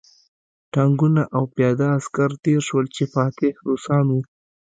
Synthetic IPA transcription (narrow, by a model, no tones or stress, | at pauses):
ʈaŋɡunaʔawpjɑd̪aːskaɾt̪eɾʃwəlt͡ʃefɑt̪ɪhɾusɑmi